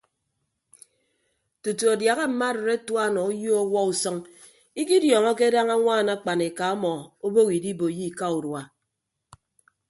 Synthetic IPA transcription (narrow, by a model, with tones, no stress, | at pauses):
tu˨tu˨a˨dja˨ɣa˦m̩˨ma˦de˨ɾe˦twa˦˨nɔ˨u˦jo˦ɔ˦wɔ˦u˨sɔ˦ŋ | i˦ki˦djɔ˨ŋɔ˦k̬e˦da˦ŋa˦ŋʷaː˦˨na˦k͡pa˨ne˨ka˨ɔ˦mɔ˨o˦bo˦ɣi˨di˦bo˨ji˦˨ka˦u˨ɾwa˨